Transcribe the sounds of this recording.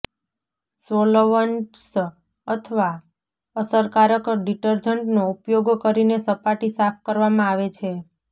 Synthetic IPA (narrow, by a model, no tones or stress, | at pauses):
soloʋəɳʈs | ət̪ʰəʋa | əsəɾkaɾəkɖiʈəɾd͡ʒəɳʈnoupjoɡkəɾinesəpaʈisapʰkəɾʋamãaʋet͡ʃʰe